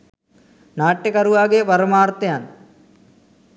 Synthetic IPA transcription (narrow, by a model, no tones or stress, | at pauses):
naːʈːekɐɾuʋaːɡɐjɐpɐɾɐmaːrt̪ːɐjaːn